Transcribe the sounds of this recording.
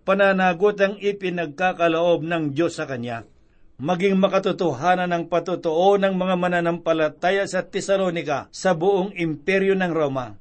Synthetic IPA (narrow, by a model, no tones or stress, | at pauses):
pɐnanaːɡut̪ɐŋɪpɪnɐɡ̚kaːkɐloʔo̞b̚nɐŋd͡ʒo̞sːɐkɐnja | mɐɡɪŋmɐkɐt̪ʊt̪ʊɦaːnɐnɐŋpɐt̪ʊt̪oʔo̞nɐŋmɐŋamɐnanɐmpɐlɐt̪aːjɐsɐt̪ɛsɐlonɪkɐsɐbʊʔoŋɪmpɛɾjonɐŋɾo̞mɐ